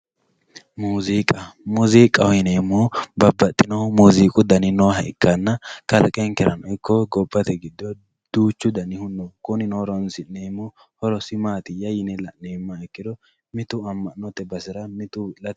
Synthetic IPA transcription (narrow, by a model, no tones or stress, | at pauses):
muːziːkʼɐmuziːkʼːɐhɔjɪneːmːubɐbːɐt̪ʼːɪnɔmuːziːkʼʊd̪ɐnɪnɔɦɐʔɪkːɐnːɐkɐlkʼɛŋkɛɾɐ̰nɔɪkːɔɡɔbːɐt̪ɛɡɪd̪ɔ | d̪̥uːt͡ʃːʊd̪ɐnɪhʊnːɔkʼʊnɪnoːɾɔnsɪneːmːu | hɔɾɔsɪmaːt̪ɪjɐjɪnɛlɐneːmːaɛkːɪd̪ɔ | mɪt̪ʊɐmːɐnɔt̪ːɛbɐsɪɾɐmɪt̪ʊwɪlɐt̪ɛ